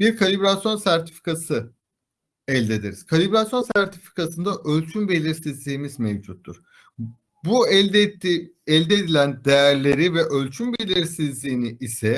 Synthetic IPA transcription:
b̥iɾkʰalʲibɾasjo̞nsæɾt̪ʰi̥fi̥kʰasɯ | ɛlʲd̪e̞d̪eɾi̥z̥kʰalʲibɾasjo̞nsæɾt̪ʰifi̥kʰasɯnd̪aʔølʲt͡ʃʰynbe̞lʲiɾsizlʲiːmizmevd͡ʒut̪ʰːuɾ̥ | bu | ɛlʲd̪ed̪ilʲænd̪ejæɾlʲe̞ɾivɛʔølʲt͡ʃʰynbe̞lʲiɾsizlʲiːniʔisɛ

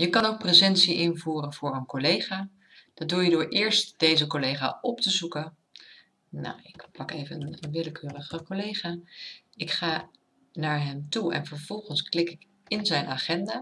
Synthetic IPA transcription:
jəkɑnowk̚prəzɛntsiʔɪnvuːrənv̥ʊːɹənkolejχaː | d̥ɑdujədʊːɹʔɪːɹstd̥ejzəkolejχa̰ːɔptəzukən | na̰wɪkpɑkejvəənəʋɪləkøːrəχəkolejχaː | ɪkχaː | naːɹɦɛmtuɛ̰nvəɹvɔlˠχənsklɪkɪk | ɪnzɛjnʔaχɛndaː

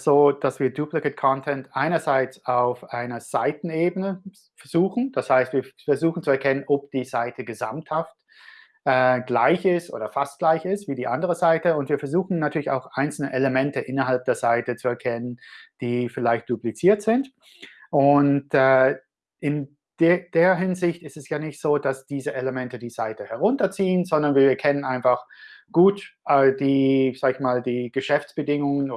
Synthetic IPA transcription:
z̥oːd̥asv̥iːɐduplɪkətkʰɔntʰɛntʔaɪnɐzaɪt͡saʊfaɪnɐz̥aɪtn̩eːbənə | fɛɐzuːxn̩d̥ashaɪstv̥iːɐfɛɐzuːxn̩t͡suɛɐkʰɛnənʔɔp̚d̥iːzaɪtʰəɡəza̰mthaft | ʔɛːɡlaɪçɪstʔo̰ːdɐfastɡ̥laɪçɪstv̥iːdiːʔandəʁəzaɪtəʊntv̥iːɐfɛɐzuːxn̩natʰyːɐlɪça̰ʊxʔaɪnt͡sl̩nəʔeləmɛntəʔɪnɐɦalp̚d̥eːɐzaɪtət͡suɛɐkʰɛnənd̥iːfɪlaɪçt̚d̥uplit͡siːɐtz̥ɪnt | ʔʊntɛ | ʔɪn | d̥d̥eːɐɦɪnzɪçtɪstɛsjaːnɪçtz̥oːd̥asd̥iːzəʔeləmɛntədiːz̥aɪtəhɛɐʁʊntɐt͡siːənzɔndɐnviːɐiːɐkʰɛnənʔaɪ̃nfaχɡ̥uːtʔɛd̥iːz̥aːɡɪçmaːldiːɡ̥əʃɛft͡sb̥ədɪŋʊŋən

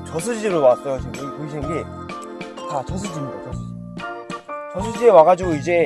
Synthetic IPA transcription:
t͡ɕʌsʰɯd͡ʑid͡ʑeɾowas͈ʌjot͡ɕepoiɕʰinnɡe | t͡ɕat͡ɕʌsʰɯd͡ʑimɲida̰t͡ɕʌsʰɯ | t͡ɕʌs̬ʰɯd͡ʑiewaɣad͡ʑiɡoid͡ʑe̞

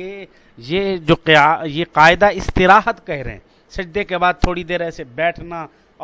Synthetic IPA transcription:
e | jed͡ʒoːajeqaːɪd̪aɪst̪ɪɾaːɦət̪kɛɦɾ̰ɦɛ̰̃ː | sɐd͡ʒd̪ekebaːd̪̚t̪ʰoːɽid̪eːɾɛːsebɛːʈʰna | ɔ

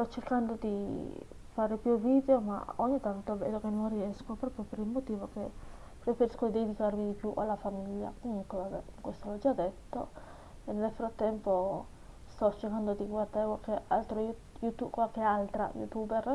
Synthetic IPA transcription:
st̪ɔt͡ʃerkand̪od̪i | faːɾepjuvid̪eoma̰o̰ɲːit̪ant̪oɛbɛlːokenːonriɛskopɾɔːpɾjopeɾilmot̪iːvoke | pɾefeɾiskod̪ed̪ikaɾmid̪ipjuʔalːafamiʎːa̰kinkovabɛkwest̪olɔd͡ʒad̪et̪ːo | enːelfɾat̪ːɛmpo | st̪ɔt͡ʃːerkand̪od̪iɡward̪aɾekwalkealt̪ɾo | jut̪ukwalkealt̪ɾa̰jṵt̪ubɛr

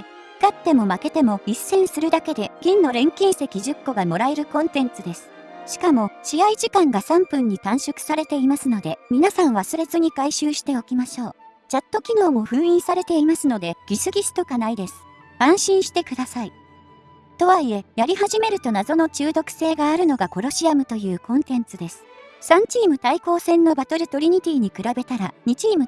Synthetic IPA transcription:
kat̪ːe̞mo̞make̞t̪e̞mo̞isːẽ̞ɰ̃sɨɾɯ̟d̪ake̞d̪e̞ɡʲĩnːo̞ɾẽ̞ŋkʲĩɰ̃se̞kʲiʑɨkːo̞ɡamo̞ɾaeɾɯ̟kõ̞nt̪ẽ̞nt͡sɨd̪e̞sɨ̥ | ɕi̥kamo̞ɕiaiʑikãŋɡasãmpɯ̟̃ɲ̟ːit̪ãɰ̃ɕokɯ̟̥saɾe̞t̪e̞imasɨno̞d̪e̞mʲinasãɰ̃βasɨɾe̞zɨɲ̟ikaiɕɨːɕi̥t̪e̞o̞kʲimaɕo̞ː | t͡ɕat̪ːo̞kʲino̞ːmo̞ɸɯ̟̃ɰ̃ĩɰ̃saɾe̞t̪e̞imasɨno̞d̪eɡ̥ʲisɨɡʲisɨ̥t̪o̞kanaid̪e̞sɨ̥ | ãɰ̃ɕĩɰ̃ɕi̥t̪e̞kɯ̟d̪asai | t̪o̞βaie̞jaɾʲiɦaʑime̞ɾɯ̟t̪o̞nazo̞no̞t͡ɕɨːd̪o̞kɯ̥se̞ːɡaːɾɯ̟no̞ɡako̞ɾo̞ɕiamɯ̟t̪o̞jɯ̟ːkõ̞nt̪ẽ̞nt͡sɨd̪e̞sɨ̥sãɲ̟t͡ɕiːmɯ̟t̪aiko̞ːsẽ̞nːo̞bat̪o̞ɾɯ̟t̪o̞ɾʲiɲ̟it̪ʲiːɲ̟ikɯ̟ɾabe̞t̪aɾaɲ̟it͡ɕiːmɯ̟

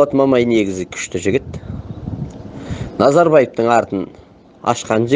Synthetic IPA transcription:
ɑt̪mɑmɑjne̞ɡʲɪzɪkʲʰʏ̥ʃt̪ɪʒɪɡʲɪt̪ | nɑzɑɾbɑjep̚t̪əɴɑɾt̪ən | ɑ̰ʃqɑnʒɪ

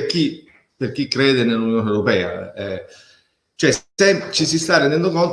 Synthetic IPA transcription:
k̟i | perk̟ikːɾeːd̪enelːunjoːnewɾopɛːa̰ɛ | t͡ʃoɛɛmt͡ʃisist̪arːend̪ɛnd̪okont̪

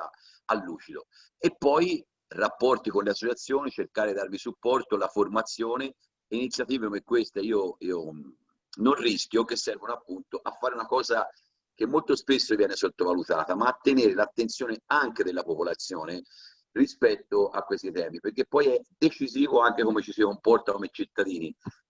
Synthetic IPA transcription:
a̰ | alːuːt͡ʃid̪o̰ | epːɔj | rapːɔrt̪ikonleasːot͡ʃat̪sːjoːnit͡ʃerkaːɾed̪id̪aɾvisupːɔrt̪olaformat̪sːjoːne | init̪sjat̪iːvekomekːwest̪eiːoiːo | nonriskʲjokesːɛrvonoapːunt̪oʔafːaːɾeunakɔːza | k̟emːolt̪ospesːovjɛːnesot̪ːovalut̪a̰ːt̪amaːt̪ːeneːɾelat̪ːent̪sjoːneaŋked̪elːapopolat̪sːjoːne | rispɛt̪ːoʔakːwest̪it̪ɛːmiperkepːɔjɛd̪et͡ʃiziːvoaŋkekomet͡ʃisikompɔrt̪akomet͡ʃit̪ːad̪iːni

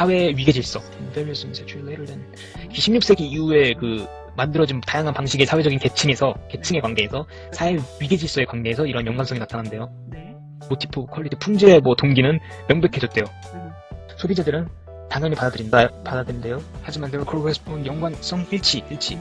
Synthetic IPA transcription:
sʰawe̞ɥiɡe̞d͡ʑiɭs͈ʌnbeɾis͈ɯnsʰet͡ɕʰuilːeɾɯɭdenɯ | ikʰiɕʰimɲuk̚s͈e̞ɡiiue̞kɯ | mandɯɾʌd͡ʑintajaŋɦanpaŋɕʰiɡe̞sʰawe̞d͡ʑʌɡinke̞t͡ɕʰiŋe̞sʰʌke̞t͡ɕʰɯŋe̞kwaŋɡe̞ːsʰʌ | sʰawe̞ɥiɡe̞d͡ʑiɭs͈ʌe̞kwanɡe̞ːsʰʌiɾʌnjʌŋɡans͈ʌinatʰanɦande̞jo | motʰi̥pʰokʰʌɭːitʰɯpʰuŋd͡ʑiɾe̞mwʌtoŋɡinɯn | mjʌŋbekʰe̞d͡ʑʌt̚t͈e̞jo | sʰobid͡ʑadɯɾɯn | taŋjʌɲipadadɯɾindapadadɯɾinde̞johad͡ʑimanteɾokɯokʰɦes͈pʰonjʌŋɡwans͈ʌŋiɭt͡ɕʰiiɭt͡ɕʰḭ

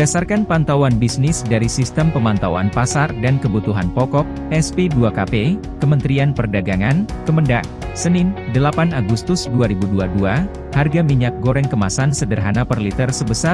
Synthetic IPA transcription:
dasarkanpant̪awanbisnɪsdaɾisist̪əmpəmant̪awa̰npasardankəbut̪uɦanpɔkɔk̚ɛspeduakape | kəmənt̪ɾianpərdaɡaŋankəməndaʔ | sənɪndəlapanaɡust̪ʊsduaɾibuduadua | harɡamiɲak̚ɡoɾɛŋkəmasansədərɦanapərlit̪ərsəbəsar

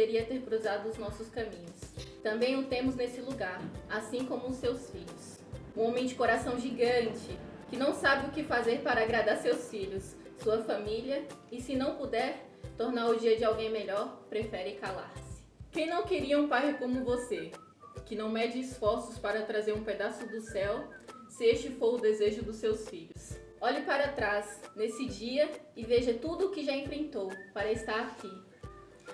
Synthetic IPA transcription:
d̪eɾiɐt̪eɾkɾuzad̪ʊːznɔsʊskɐ̃mĩɲʊst̪ɐ̃mbẽj̃ʊt̪ẽmʊznesɪluɡaɾasĩkõmʊʊsːewsfiʎʊs | ũõmẽj̃d͡ʒɪkoɾasɐ̃w̃ʒiɡɐ̃t͡ʃɪ | kɪnɐ̃w̃sabɪʊkɪfazeɾpaɾɐaɡɾad̪aɾsewsfiʎʊsː | uɐfɐmiliɐɪsɪnɐ̃w̃pud̪ɛɾ | t̪oɾnaɾʊd͡ʒiɐd͡ʒɪawɡẽj̃meʎɔɾpɾefɛɾɪkala̰ɾsɪ̥kẽj̃nɐ̃w̃keɾiɐũpajɪkõmʊvose | kɪnɐ̃w̃mɛd͡ʒɪːsfɔɾsʊspaɾɐt̪ɾazeɾũped̪asʊd̪ʊsɛw | sɪest͡ʃɪfoɾʊd̪ezeʒʊd̪ʊsːewsfiʎʊs | ɔʎɪpaɾɐt̪ɾasnesɪd͡ʒiɐɪveʒɐt̪ud̪ʊːkɪʒaẽfɾẽnt̪owpaɾɐɪst̪aɾaki

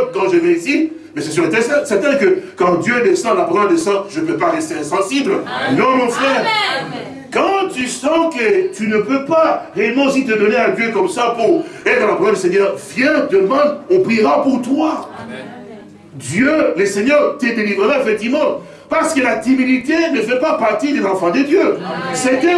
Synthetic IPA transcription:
pkɑ̃ʒəvɛisi | mɛsɛsyʁlət̪ɛsɛ̃sɛʁt̪ɛ̃kəkɑ̃d̪jøɛd̪ɛsɑ̃d̪lapʁɔʁd̪esɑ̃ʒənəpøpaʁɛst̪eɛ̃sɑ̃siblnɔ̃nɔ̃fχɛʁ | kɑ̃t̪ysɑ̃kət̪ynəpøpaʁeɛlmɑ̃osit̪əd̪ɔnead̪jøkɔmsapuʁɛt̪χɑ̃lapʁɛld̪ys̬ɛɲœʁvjɛ̃d̪əd̪əmɑ̃d̪ɔ̃pχiʁapuʁt̪wa | d̪jøləsɛɲœʁt̪əd̪elivʁəʁafɛt̪imɔ̃d̪ | paʁsə̥kəlat̪ivinit̪enəfɛpapaʁt̪id̪ezɑ̃fɑ̃d̪əd̪jøsɛt̪ɛ

